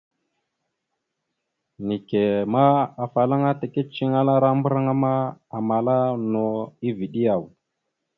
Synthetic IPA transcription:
ni˨ke˨ma˦a˨fa˨la˦ŋa˦ta˨ki˦t͡ʃi˦ŋa˦la˦ɾa˦mbu˦ɾa˦ŋa˦ma˦a˨ma˨la˦no˨i˦vi˨ɗi˦ja˨w

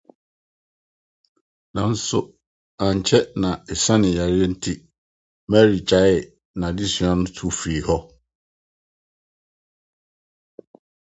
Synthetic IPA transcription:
nã˨n̩˦sʊ˨ | ã˨ɲ˨t͡ɕʰɛ˦nã˨ɛ˨sã˦nɪ̃˨ja˨ɾɪ˦e˦n̩˦tʰi˦ | maæ˦ɾi˨t͡ɕa˨˦ɪ˨ | nã˨di˦sɥã˦nʊ̃˦tʰu˦˨fi˨hɔ˦

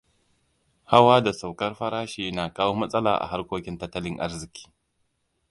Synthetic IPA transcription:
ha˦waː˦da˨sa˨wkɐ˦rɸɐ˦ɾaː˦ʃiː˦naː˨kaː˦woː˦mɐ˦sʼɐ˦la̰ː˨ʔa̰˨ɦa˦rkʷoː˦kʲɪ˦ntɐ˦tːɐ˦lɪ˦ŋʔa̰˦ɾzɪ˨kʲi̥ː˦

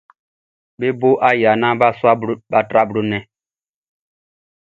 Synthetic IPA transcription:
be˦bo˦ʔa˦ja˨nã˦ba˦swa˦ba˦tɾa˦bɾo˦nɛ̃˦

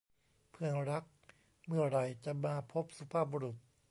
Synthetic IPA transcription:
pʰɯ˧˩əɾa˦˥k̚ | mɯ˥˩ɐɾa˧˩jt͡ɕa˨˩ʔmaː˧pʰo˦˥p̚su˧pʰaː˥˩p̚boː˧ɾu˨˩t̪̚

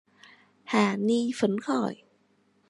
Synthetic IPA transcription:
haː˨˩niː˧fo˨˦nkʰɔː˨˩j

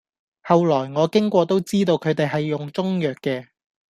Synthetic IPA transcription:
hɐ˨wlɔː˨˩jŋɔː˨˧kɪ˥ŋkʷɔː˧t̪o˥wt͡siː˥t̪o˧wkʰɵ˨˧ɥt̪e˨jɦɐ˨jːʊ˨ŋt͡sʊ˥ŋjœː˨kːɛː˧

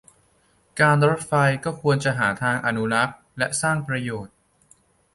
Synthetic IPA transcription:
kaː˧nɾo˦˥t̪̚fa˧jkɔː˥˩kʰu˧ənt͡ɕa˨˩ɦaː˩˦t̪ʰaː˧ŋʔa˧nu˦˥ɾa˦˥k̚ | lɛ˦˥ʔsaː˥˩ŋpɾa˧joː˨˩t̪̚

